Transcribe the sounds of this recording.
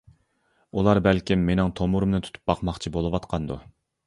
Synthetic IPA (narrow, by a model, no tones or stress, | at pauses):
ulˠɑɾbælkʲimːenɪŋt̪ʰomuɾɨmnɨt̪ʰu̥t̪ʰu̥p̚bɑqmɑχt͡ʃʰibolˠɨwɑt̪qʰɑnd̪ṵ